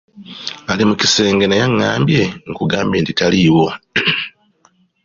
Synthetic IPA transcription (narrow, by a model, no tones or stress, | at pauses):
alimuci̥se̞ːŋɡe̞najaŋːaːmbje̞ŋ̩kuɡaːmbeːntitaliwo̞